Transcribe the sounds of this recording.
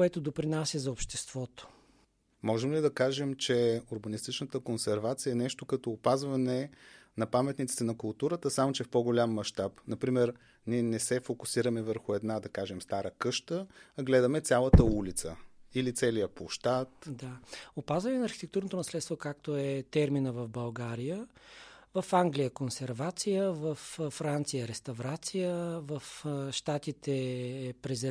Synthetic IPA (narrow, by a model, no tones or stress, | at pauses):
kɛt̪od̪opɾinasʲjɐzɐopʃt̪ɛst̪v̥ɔt̪o̥ | mɔʒɛmlid̪ɐkaʒɛmt͡ʃɛʊɾbɐnist̪it͡ʃnət̪əkonsɛɾvat̪sijəɛnɛʃt̪okɐt̪ɔːpazvɐnɛ | nɐpamɛt̪nit̪si̥t̪ɛnɐkʊlˠt̪uɾət̪əsamot͡ʃɛfpɔɡolʲamːɐʃt̪apnɐpɾimɛɾ | niɛnɛsɛfokʊsiɾəmɛvəɾxʊɛd̪nad̪ɐkaʒɛmst̪aɾəkɤʃt̪əːɡlɛd̪ɐmɛt̪sʲalˠət̪əulit̪səilit̪sɛlijəpoʃt̪at̪d̪aopazvɐnɛnɐːɾxit̪ɛk̚t̪uɾnot̪onɐslɛt̪t̪vokak̚t̪oɛt̪ɛɾminəvɐvbɐlˠɡaɾijə | vɐfaŋɡlijəkonsɛɾvat̪sijəvɐfːɾant̪sijəɾɛst̪ɐvɾat̪sijəvɐfʃt̪at̪it̪ɛːpɾɛzɛ